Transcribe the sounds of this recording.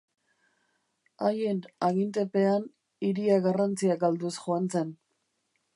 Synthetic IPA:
ajenaɣint̪̬e̞pe̞an | iɾiaɣarant͡siakald̪usxoant͡se̞n

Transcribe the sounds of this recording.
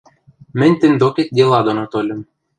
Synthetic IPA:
mɘ̆nʲt̪ɘ̆nʲd̪oket̪̚ʲd̪ʲelˠɑd̪onɑt̪olʲɘ̆m

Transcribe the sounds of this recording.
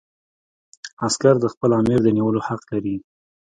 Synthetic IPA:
askaɾd̪əxpəlɑmɪɾd̪əniwəlohaqlaɾi

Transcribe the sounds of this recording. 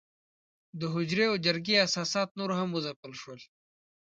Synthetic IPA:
d̪əɦʊd͡ʑɾeod͡ʒɐɾɡiɐsaːsaːt̪̚noɾoɦɐmuzɐpəlʂuwol

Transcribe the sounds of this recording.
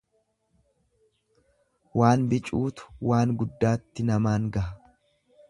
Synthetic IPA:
waːnbɪt͡ʃʼuːt̪ʊ̥waːŋɡʊd̪ːaːt̪ːɪnɐmaːŋɡɐhɐ

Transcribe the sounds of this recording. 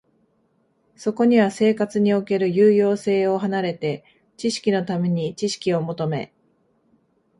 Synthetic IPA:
so̞ko̞ɲ̟iβase̞ːkat͡sɨɲ̟io̞ke̞ɾɯ̟jɯːjo̞ːse̞ːo̞ɦanaɾe̞t̪e̞ | t͡ɕiɕi̥kʲino̞t̪ame̞ɲ̟it͡ɕiɕi̥kʲio̞mo̞t̪o̞me̞̰

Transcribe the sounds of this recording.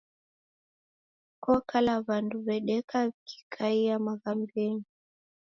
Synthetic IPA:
kɔkalaβanduβɛɗɛkaβikʰi̥kʰaijamaɣambɛɲi

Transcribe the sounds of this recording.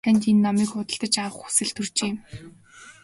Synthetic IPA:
ænʲt̪enːɔmiːkʊt̪ə̆ɬt̪ə̆t͡ɕawə̆χu̥sɘ̆ɮt̪ʰɵrt͡ɕeːm

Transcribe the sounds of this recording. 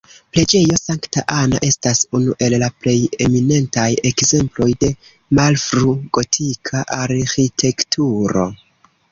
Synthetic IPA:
ple̞d͡ʒe̞jo̞saŋktaʔana̰ʔe̞stasunuʔe̞lːaple̞je̞mine̞ntaje̞kze̞mplo̞jde̞ | malfɾuɡo̞tʰikʰaʔaɾxitʰe̞ktʰuɾo̞̰

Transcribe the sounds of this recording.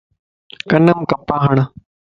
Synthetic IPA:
kɐnəmkɐpaːɦɐɳ̃

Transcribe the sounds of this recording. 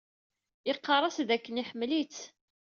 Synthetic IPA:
ɪqːɑrˤɑsðækːəniħəmːlit͡s

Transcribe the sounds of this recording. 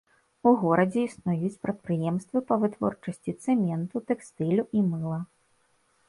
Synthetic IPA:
uɣɔɾɐd͡zʲɛisnujut͡sʲpɾɐt̪̚pɾɨjɛmst̪vɨpɐvɨt̪vɔ̰rt͡ʂɐsʲt͡sʲit̪sɛmʲɛnt̪ut̪ɛkst̪ɨlʲuʔimɨlˠɐ

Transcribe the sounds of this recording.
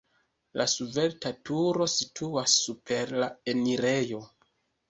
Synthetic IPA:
lʔasuve̞ɾtatuɾo̞sitʰuasːupʰe̞ɾlaeniɾejo̞

